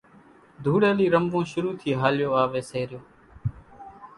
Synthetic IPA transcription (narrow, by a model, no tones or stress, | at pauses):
d̪ʱuːɽeːliːɾəmbõːʃʊɾuːt̪ʰiːɦaːljoːaːʋeːseːɾɪjoː